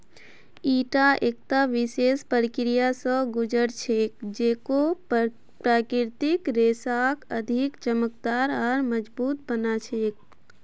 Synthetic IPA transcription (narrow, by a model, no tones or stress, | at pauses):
iʈaʔek̚t̪aʋisespəɾikɾijasə̃ɡud͡ʒəɾt͡ʃʰek̚d͡ʒeko | pɾakiɾt̪ikɾesakəd̪ʱikt͡ʃəmək̚d̪aɾɔɾməd͡ʒbut̪̚bənat͡ʃʰek̚